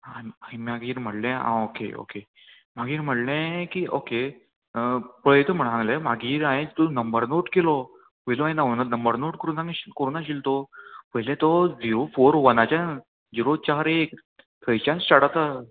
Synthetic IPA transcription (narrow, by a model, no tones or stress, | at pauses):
aaɦĩmaɡʱiːɾm̤əʈlẽã̰okeo̰ke | m̤aɡʱiːɾm̤əʈlẽkioke | pəjt̪əm̤əɽ̃ɦãŋɡlemaɡiːɾãjẽt͡st̪onəmbəɾnoʈkelɔ | ʋəjloaj̃naənanəmbəɾnoʈkəɾunãŋiɕikəɾunaɕilt̪oʋəjlẽt̪ɔd͡ziɾofoɾʋənat͡ɕa | d͡ziɾot͡ɕaɾek | t̪ʰəjt͡ɕãnssaɽat̪a